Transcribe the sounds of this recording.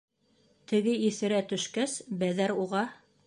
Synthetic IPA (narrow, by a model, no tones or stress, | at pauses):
t̪ɘ̆ɡɘiθɘ̆ɾæt̪ɵ̆ʃkæsbæðæɾuʁɑ